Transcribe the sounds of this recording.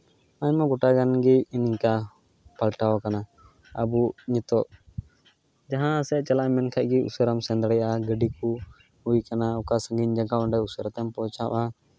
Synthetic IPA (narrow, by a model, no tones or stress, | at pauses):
aɲmaɡɔʈaɡanɡiiɲiɲka | palʈawakana | a̰buɲɛt̪ɔʔ | d͡ʒaɦãsɛt͡ʃalaʔmɛnkʰac̚ˀɡiṵsəɾamsɛ̃nd̪ɽɛjʔaɡəɖiku | hujkanaɔkasəŋɡiɲd͡ʒaɡaʔɔɳɖɛusəɾt̪ɛmpɔt͡ʃaʔa